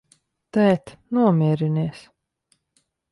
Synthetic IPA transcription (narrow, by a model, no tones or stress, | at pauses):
t̪ɛːt̪nuɔmʲiɛɾiniɛs